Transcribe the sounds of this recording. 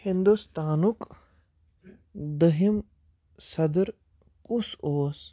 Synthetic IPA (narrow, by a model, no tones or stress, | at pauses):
hind̪ust̪aːnuk | d̪əɦim | sɐd̪ɾ | kusoːs